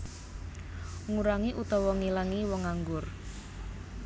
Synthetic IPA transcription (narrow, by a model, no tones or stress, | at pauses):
ŋuɾaŋiʔut̪ɔwɔŋilaŋiwɔŋaŋɡʊr